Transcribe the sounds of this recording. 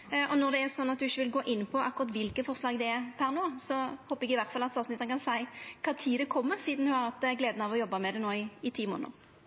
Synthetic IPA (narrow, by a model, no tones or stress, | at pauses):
ɔnɔʁd̪ɛæɾsɔnːɑt̪̚d̪ʉɪçːəʋɪlɡoːʔɪnːpʰɔʔɑ̰kːʊʁɑt̪ʋɪlkəfɔʁslɑːɡd̪ɛæɾpʰæʁnoːsɔhoːpəɛɡɪʋæʁt̪fɑlɑt̪sɑːʋsnɪt̪ənəkʰɑnsæɪkʰɑːt̪ʰiːd̪ɛkʰɔmːəɾsiːd̪n̩hʉhɑʁɑt̪ɡleːd̪nɑʋɔjɔbːɑmɛd̪ɛnoːɪɪt̪ʰiːmo̰ːnə̰ʁ